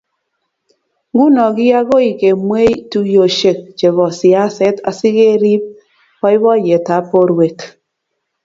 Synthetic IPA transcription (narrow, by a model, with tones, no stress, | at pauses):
ɡu˦nɔ˨ɡi˦ja˦ɡo˦i˨ke˨mwe˦jtu˦jo˨ʃe˨k̚t͡ʃe˨βɔ˨si˨a˦se˦ta̰˨si˦ɣe˦ɾi˦p̚ | kɔ˦i˦βɔ˦˨je˨ta˨˦po˦ɾwe˨t